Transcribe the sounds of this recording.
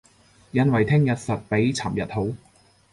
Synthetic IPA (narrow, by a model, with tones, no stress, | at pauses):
jɐ˨˧nwɐ˨˩jt̪ʰɪ˥ŋjɐ˨t̚sɐ˨t̚pe˨˥jt͡sʰaː˨˩mjɐ˨t̚ho˨˥w